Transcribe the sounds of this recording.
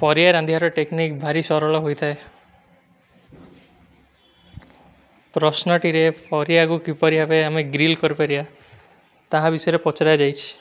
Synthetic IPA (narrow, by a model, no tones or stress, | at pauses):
pɔɾiaɾand̪ʱiɦaɾɔʈeknikbʱaɾisɔɾɔɭɔɦojt̪ʰae | pɾɔsnɔʈiɾepɔɾijaɡukipɔɾiɦabeameɡɾilkɔɾipaɾia | t̪aɦãbisɔjɾepɔt͡ʃɾad͡ʒajt͡ʃʰi̥